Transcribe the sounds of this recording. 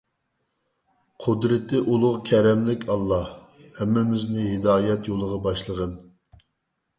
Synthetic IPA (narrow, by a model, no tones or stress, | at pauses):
qʰʊd̪ɾɪt̪ɪʔulˠʊʁkʲʰɛɾɛmlɪkʲɑlˠːɑh | hɛmːɪmɪznɪɦɪd̪ɑːjɛt̪jolˠəʁɑbɑʃlˠəʁən